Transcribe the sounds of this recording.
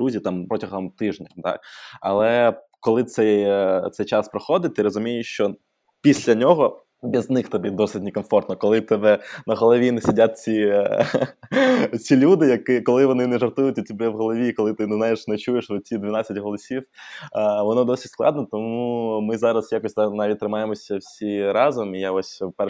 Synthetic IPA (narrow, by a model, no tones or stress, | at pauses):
ɾuzʲit̪ɑmpɾɔtʲɐɦɔmt̪ɪʐnʲɐt̪ɑ̰kɐ̰lˠɛkɔlˠɪt̪sɛjt̪sɛjt͡ʃɑspɾɔxɔd̪ɪt̚ʲt̪ɪɾɔzʊmʲijɪʃt͡ʃɔ | pʲisʲlʲɐnʲɔɦɔ | bʲiznɪxt̪ɐbʲɛd̪ɔsɪt̚ʲnɪkɔnfɔrt̪nɔkɔlˠɪt̪ɛbɛnɐɦɔlˠɔʋʲinɪsʲidʲat̚ʲt͡sʲi | t͡sʲilʲud̪ɪjɐkɪkɔlˠɪʋɔnɪnɛʐɐrt̪ujʊtʲɐtʲibɛʋɦɔlˠɔʋʲiːkɔlˠɪt̪ɪnɛznɑjɪʃnɛt͡ʃujeʃʋɔtʲid̪ʲʋʲinɑt͡sʲːɐtʲɦɔlˠɔsʲiw | ʋɔnɔd̪ɔsʲi̥tʲsklˠɑ̰d̪nɔt̪ɔmumɪzɑɾɐsjakɔsʲnɑʋʲit̚ʲt̪ɾɪmɑjemɔsʲɐwsʲiɾɑzɔmijaɔsʲpɛ